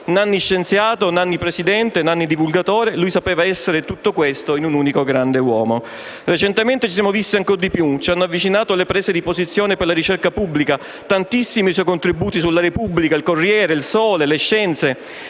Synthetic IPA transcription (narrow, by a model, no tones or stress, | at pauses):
nanːiʃːent̪sjaːt̪onanːipɾesid̪ɛnt̪enanːid̪ivulɡat̪oːɾelujsapɛːvaɛsːeɾet̪ut̪ːokwest̪oinunuːnikoɡɾand̪ewɔːmo | ret͡ʃent̪ement̪et͡ʃis̬jamovist̪iaŋkord̪ipjut͡ʃianːoavːit͡ʃinaːt̪olepɾɛːzed̪ipozit̪sːjɔːneperlaɾit͡ʃɛrkapubːlika | t̪ant̪isːimiswɔjkont̪ɾibuːt̪isulːaɾepubːlikailkorːjɛːɾeilsɔːleleʃːɛnt̪se